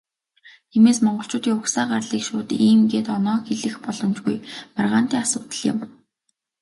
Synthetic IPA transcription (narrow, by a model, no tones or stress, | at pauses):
t̪ʰiːmeːsmɔɴɢɞ̆ɬt͡ɕʰʊːt̪iːŋʊksaːɢarɮiːkʃʊːt̪iːmɡeːt̪ɔnɔːxeɮɘ̆xpɔɮɞ̆mt͡ɕɡujmarʁaːn̥t̪iːŋasʊːt̪ə̆ɮɪ̰̆m